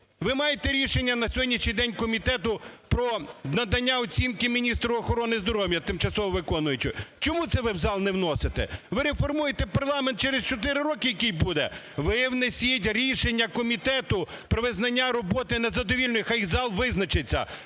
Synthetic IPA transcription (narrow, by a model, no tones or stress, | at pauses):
ʋɪmɑjet̪ɛɾʲiʃenʲːɐnɐsʲɔdʲnʲiʃnʲijd̪ɛnʲkɔmʲit̪ɛt̪ʊpɾɔnɐd̪ɐnʲːaɔt͡sʲinkɪmʲinʲist̪ɾʊɔxɔɾɔnɪzd̪ɔɾɔwjɐt̪ɪmt͡ʃɐsɔʋɔʋɪkɔnʊjʊt͡ʃɪt͡ʃɔmut̪sɛʋɪwzɑlˠnɛwnɔset̪ɛ̰ʋɪɾefɔrmujet̪ɛpɐrlˠɑment̪̚t͡ʃɛɾest͡ʃɔt̪̬ɪɾɪɾɔkɪjɐkijbud̪ɛ̰ | ʋɪwnesʲitʲɾʲiʃenʲːɐkɔmʲit̪ɛt̪ʊpɾɔʋɪznɐnʲːaɾɔbɔt̪ɪnɛzɐd̪ɔʋʲilʲnɔjxajizɑlˠʋɪznɐt͡ʃɪt͡sʲːɐ̰